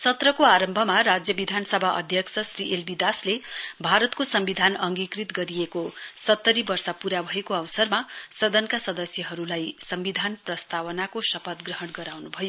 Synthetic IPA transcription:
sʌt̪rʌkoaɾʌmbʱʌmarad͡zjʌbid̪ʱanʌsʌbʱaʔʌ̰d̪ʱjʌksʌsriʔelbid̪aslebʱaɾʌt̪kosʌmbid̪ʱanʌŋɡikrit̪ɡʌɾiekosʌt̪ːʌɾibʌrsʌpuɾabʱʌekoʌwsʌrmasʌd̪ʌnkasʌd̪ʌsjʌɦʌɾulajsʌmbid̪ʱanprʌst̪awʌnakosʌpʌt̪ɡrʌɦʌɽɡʌɾawnubʱʌjo

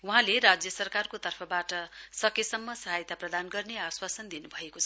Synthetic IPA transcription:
wuɦãleɾad͡zjʌsʌrkarkot̪ʌrpʰʌbaʈʌsʌkesʌmːʌsʌɦajt̪aprʌd̪anɡʌrneaswasʌnd̪inubʱʌekot͡sʰʌ

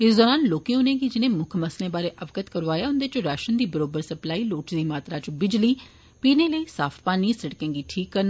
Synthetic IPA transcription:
ɪsd̪ɔːɾaːnloːkẽːɦʊnẽːɡid͡ʒɪnẽːmʊkʰməslẽːbaːɾeːʔəʋkət̪kəɾʋaːjaːʊnd̪eːt͡ʃɾaːʃənd̪iːbəɾoːbəɾsəplaːiːloːʈd̪iːmaːt̪ɾaːt͡ʃbɪd͡ʒliː | piːneːləiːsa̰ːpʰpaːniːsəɽkẽːɡiːʈʰiːkːəɾnː

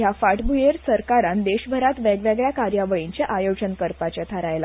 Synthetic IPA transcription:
jafaʈbujeɾsəɾkaɾãnd̪eɕbʱəɾat̪ʋeɡʋeɡɭjakaɾjaʋəɭiɲt͡ɕeʔajod͡zənkəɾpat͡ɕat̪ʰaɾajla

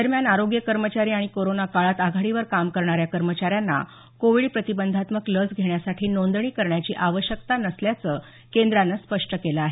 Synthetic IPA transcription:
d̪əɾmjanaɾoɡjəkəɾmət͡ɕaɾiːaɽ̃ikoɾonakaɭat̪aɡʱaɽiʋəɾkamkəɾɳaɾjakəɾmət͡ɕaɾjanːa̰ | koʋiɭpɾət̪ibənd̪ʱat̪məkləd͡zɡʱeɳjasaʈʰiːnond̪ɳiːkəɾɳjat͡ɕiːʔaʋəɕjək̚t̪anəsljat͡səː | kend̪ɾanːaspəʂʈəkeləaɦe

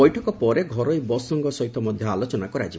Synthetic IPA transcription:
ɔjʈʰɔkɔpɔɾeɡʱɔɾɔjbɔsɔŋɡɔsɔɦit̪ʰɔmɔd̪ʱjɔalot͡ʃɔnakɔɾad͡ʒi

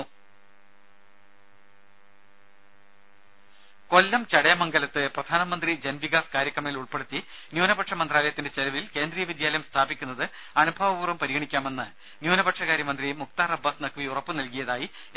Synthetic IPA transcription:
ko̞lːɐmt͡ɕɐɽɐjɐmɐŋɡɐlɐt̪ːɨprɐd̪ʱaːnɐmɐnd̪rid͡ʑenʋiɣaːskaːɾjɐkːɐmeːluɭpe̞ɽut̪ːi | njuːnɐbɐʈʂɐmɐnd̪raːlɐjɐt̪ːinde̞t͡ɕelɐʋilke̞ːnd̪rijɐʋid̪jaːlɐjɐmst̪ʰaːbikʲːunːɐðɨ | ɐnubʱɐʋɐbuːrɐmpɐɾiɡɣɐɳikʲːaːme̞nːɨ | njuːnɐbɐʈʂɐɣaːɾjɐmɐnd̪rimukt̪aːrɐbːɐːsnɐkʰʋiurɐpːɨnɐlkijɐðaːji

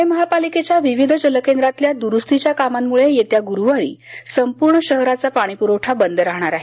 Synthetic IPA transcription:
eməɦapaliket͡ɕjaʋiʋid̪ʱəd͡ʑələkend̪ɾat̪ljad̪uɾust̪it͡ɕjakamamːuɭejet̪jaɡuɾuʋaɾḭːsəmpuɾɳəɕəɦɾat͡sapaɽ̃ipuɾəwʈʰabənd̪əɾaɦɳ̃aɾaɦe

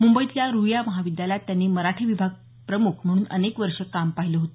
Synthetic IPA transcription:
mumbəit̪ljaɾujaməɦaʋid̪jaljat̪janːiːməɾaʈʰiːʋibʱaɡ̚ | pɾəmukʰm̤əɽ̃uːnə̰nekʋəɾʂəkampaɦiləɦot̪o

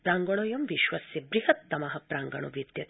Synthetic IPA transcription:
pɾaːŋɡɐɽ̃oːjɐmʋiʃʋɐsjebɾiɦɐt̪ːɐmaɦɐpɾaːŋɡɐ̰ɽ̃o̰ʋit̪jɐt̪

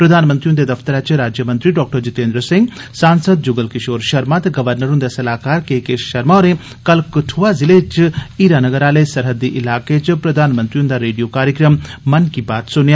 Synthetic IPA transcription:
pɾɐd̪ʱaːnmənt̪ɾiũnd̪ed̪ɐft̪əɾaːt͡ʃiɾaːd͡ʒjəmɐ̃nt̪ɾiɖɔːk̚ʈəɾd͡ʒut̪eːnd̪ɾəsĩŋɡ | saːnsəd̪̚d͡ʒuɡəlkiʃoːɾʃɐɾmaːt̪ɡɐʋəɾnəɾund̪asɐlaːkaːɾkeːkeːʃʃɐɾmaɾẽ | kɐlkɨʈʰuazilet͡ʃiiːɾanɐɡəɾaːlɐsɐɾɦəd̪iʔɪlaːket͡ʃipɾɐd̪ʱaːnmənt̪ɾiũnd̪aɾeːɖijoːkaːɾjəkɾəmːɐnkibaːt̪sʊnja

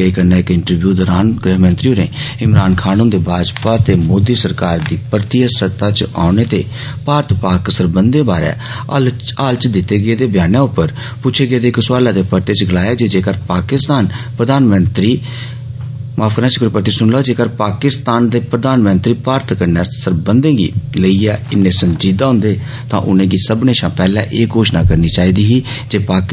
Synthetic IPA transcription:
eikənaːɪkɪɳʈəɾbjuːd̪ɔːɾaːnɡɾəɦmə̃nt̪ɾiːuːnḛːɪmɾaːnkʰaːnũːd̪eːbʱaːd͡ʒpaːt̪eːmoːd̪iːsəɾkaːɾd̪iːpəɾt̪iːəsət̪aːt͡ʃa̰ːʊneːt̪eː | paːɾt̪paːksəɾbənd̪eːbaːɾɛ̰ː | aːlt͡ʃd̪ɪt̪ːeːɡəeːd̪eːbjaːnãːʊpːəɾ | put͡ʃʰeːɡəeːd̪eːksʋaːlaːd̪eːpəʈeːt͡ʃɡəlaːeːd͡ʒeːd͡ʒeːkəɾpaːkɪst̪aːnpɾəd̪aːnmənt̪ɾiː | maːfʰkəɾãːt͡ʃəkɾpəʈːiːsʊɳlɔːd͡ʒeːkəɾpaːkɪst̪aːnd̪eːpɾəd̪aːnmənt̪ɾiːpaːɾt̪ʰkəɾnjãːsəɾbənd̪ẽːɡḭːləiːɛːɪnːẽːsənd͡ʒiːd̪aːɦʊ̃nd̪eː | t̪ã̰ːʔʊ̰nẽːɡiːsəbneːʃãːpɛːlɛ̰̃ːʔeːkoːʃna̰ːkəɾniːt͡ʃaːiːd̪iːɦiːd͡ʒeːpaːk

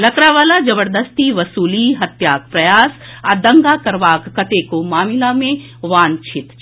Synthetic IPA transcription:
lɐkɾaʋaːlad͡ʒɐbəɾd̪əst̪iʋɐsuːliɦɐt̪jaːk̚pɾɐjaːsad̪ɐ̃ŋɡakɐɾʋaːkːɐt̪ekomaːmɪlamẽ | ʋãːɲt͡ʃʰɪt̪

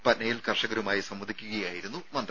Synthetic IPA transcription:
pɐtnɐjilkɐrʂɐɣɐɾumaːjisɐmːɐd̪ʱikʲːuɣɐjaːjiɾunːumɐnd̪r

